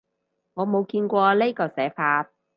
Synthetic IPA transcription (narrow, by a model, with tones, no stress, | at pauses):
ŋɔː˨˧mo˨˧wkiː˧nkʷɔː˧le˥kɔː˧sɛː˨˥faː˧t̚